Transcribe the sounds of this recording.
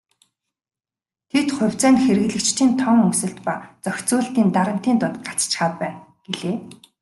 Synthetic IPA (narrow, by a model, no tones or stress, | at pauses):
t̪ʰet̪χʊ̟wʲt͡sæːnxeɾɘ̆ɮɘ̆kt͡ɕt̪ʰiːnt̪ʰɔŋɵŋsɵ̆ɬt̪pat͡sœxʲt͡sʊːɬt̪iːnt̪aɾə̆m̥t̪iːnt̪ʊt̪ɢḁt͡st͡ɕχaːpæːn | ɡ̥eɮeː